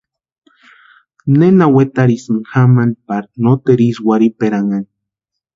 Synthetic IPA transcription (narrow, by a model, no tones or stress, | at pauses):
nenawet̪aɾisɨŋxamanpaɾnot̪eɾiswaɾipeɾaŋani